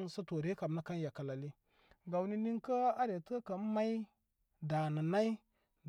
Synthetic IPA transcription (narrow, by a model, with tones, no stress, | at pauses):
nsə˦to˨ɾe˦ka˨m˦na˦ka˦n˦ja˨ka˨la˨li˦ | ɡa˨wni˦ni˦ŋkə˦a˦ɾe˨tə˦ka˨˦ma˦i˦ | da˨nə˨na˦i˦